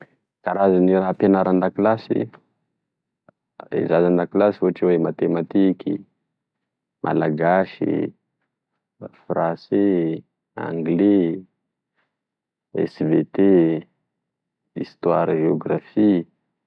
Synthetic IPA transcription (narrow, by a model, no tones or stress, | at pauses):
kaɾazanirapanaɾand̪akilasḭ | ḛzazand̪akilasifoaʈ͡ʂiwemat̪emat̪ikʲi | mʔa̰laɡaʃḭ | frãse | a̰ŋɡle | ɛ̰svet̪e | ḭst̪waɾʒeoɡrafi